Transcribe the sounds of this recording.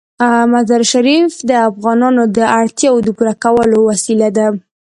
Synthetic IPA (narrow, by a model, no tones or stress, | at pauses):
mazaɾʃaɾifd̪əafɣɑnɑnod̪əʔaɽt̪jɑwod̪əɡuɾakawəlowasilad̪a